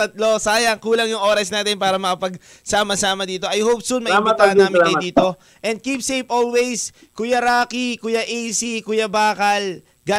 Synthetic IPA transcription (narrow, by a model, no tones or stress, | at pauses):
t̪ɐt̪̚lo̞saːjɐŋkuːlɐŋjʊŋʔo̞ːɾɐsnaːt̪ɪnpaːɾɐmɐkɐpɐɡ̚ | saːmɐsaːmɐd̪iːt̪oʔɐjhop̚sulmɐʔimɐt̪aːʔɐnːmɪkːɐjd̪iːt̪o̞ | ʔɛnd̪̚kip̚sejpoːlwɛjs | kʊjɐɾaːkikʊjaʔejsikʊjɐbaːkɐl | ɡa